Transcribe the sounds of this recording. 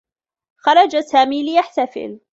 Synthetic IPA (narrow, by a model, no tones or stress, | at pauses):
xɑɾˤɑd͡ʒasaːmiːlɪjaħt̪afɪ̰l